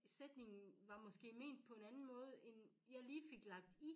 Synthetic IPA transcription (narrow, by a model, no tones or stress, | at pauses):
sed̥ne̝ŋn̩ʋɑ̈mɒ̽sɡ̥e̝̰ːme̝̰ːnd̥̚pʰɒ̽e̝nænn̩mɔ̽ːð̞̩ˠen | jɑ̈ɪliːfe̝ɡ̥lɑ̈ɡ̥̚d̥i